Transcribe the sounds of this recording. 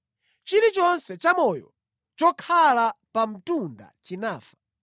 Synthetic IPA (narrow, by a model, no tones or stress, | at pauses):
t͡ʃiɾit͡ʃɔnsɛt͡ʃamɔjɔ̰ | t͡ʃɔkʰalapam̩tunda̰t͡ʃinaːfḁ